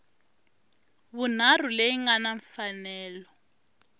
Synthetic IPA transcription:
βun̤ar̤uleiŋanaɱfanɛːlɔ

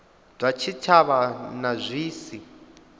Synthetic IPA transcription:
d̥ʱwat͡ʃʰit͡ʃʰaβanazʷiːsi

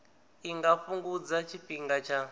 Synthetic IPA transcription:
iŋɡafuŋɡud͡zat͡ʃʰiɸiŋɡat͡ʃʰa

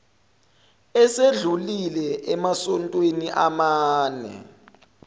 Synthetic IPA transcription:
ɛseɮulilɛʔɛmasɔntʼweniʔamaːnɛ̰

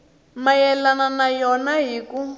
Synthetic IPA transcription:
majɛlananajɔnaɦiːku

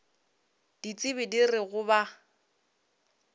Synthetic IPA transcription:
d̥it͡sʼɪβɪdirɪɣʊba

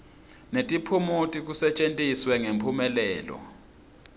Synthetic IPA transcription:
netʼipʰumutʼik̬usɛt͡ʃʼentʼiswɛŋempʰumɛlɛːlɔ̰

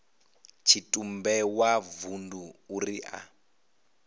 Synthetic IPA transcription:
t͡ʃʰitʼumbɛwavunduːriʔa̰

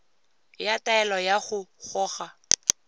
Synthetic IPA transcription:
jataɛlɔjaχʊχɔːχa

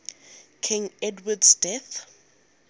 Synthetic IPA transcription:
kʰĩŋɛdwadsdɛθ

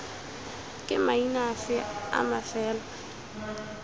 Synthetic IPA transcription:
kʼɪmainasɪa̰mafɛːla

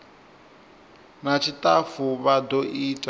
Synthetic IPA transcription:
nat͡ʃʰitʼafuβadɔʔitʼa

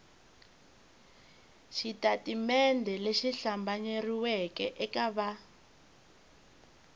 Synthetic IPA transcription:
ʃitatimɛndʱɛleʃiɬambaɲeriwɛkɛʔɛkaβa

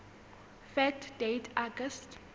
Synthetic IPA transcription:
fɛk̚tʰd̥etʰaɡəst

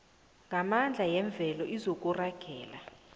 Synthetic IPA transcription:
ŋɡʱamand͡ɮʱajɛɱb̪vʱɛlɔʔizok̬ʼuraɡ̥ʱɛːla

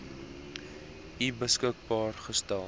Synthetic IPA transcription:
ʔibəskək̚bɑːrχəstælˠ

